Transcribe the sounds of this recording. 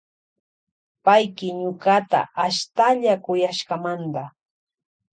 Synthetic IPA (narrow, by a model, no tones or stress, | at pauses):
pajkɪɲʊɢat̪a̰ʔaʃt̪aʎakʊjaʃkamand̪a